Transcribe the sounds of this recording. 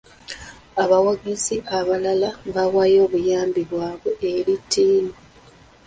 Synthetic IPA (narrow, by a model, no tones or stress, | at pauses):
aβawaɡeziʔaβalalaβawajo̞ːβujaːmbiβwaːβweʔeɾitʰːiːni